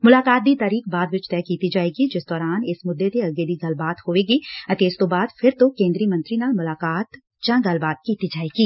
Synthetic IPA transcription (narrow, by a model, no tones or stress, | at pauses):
mʊlaːkaːt̪̚d̪it̪aːɾiːk̚baːd̪ʋɪt͡ʃt̪ɛːkiːt̪id͡ʒaːeːɡid͡ʒɪsd̪ɔːɾaːnɪsmʊd̪ːet̪eɐɡed̪iɡɐlbaːt̪hoːeːɡiɐt̪eːd͡ʒt̪obaːd̪fʰɪɾt̪okẽːnd̪ɾijəmɐ̃nt̪ɾinamʊlaːkaːt̪ | t͡ʃãːɡɐlbaːt̪̚kiːt̪id͡ʒaːeːɡiː